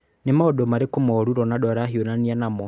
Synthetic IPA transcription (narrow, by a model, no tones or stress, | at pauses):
nemaɔdɔmaɾekomɔɾuɾɔnadɔɾaɦionanianamɔ